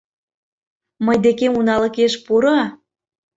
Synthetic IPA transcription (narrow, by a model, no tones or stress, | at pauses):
məjd̪ekemunɑlɤ̆keʃpuɾɑ